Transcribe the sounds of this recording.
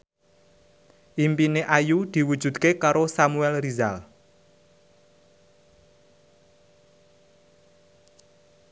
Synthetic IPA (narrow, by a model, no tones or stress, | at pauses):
ʔimpineʔajud̪̥i̤wud̥ʒ̥ṳd̪̥̚kekaɾosamuɛlrizal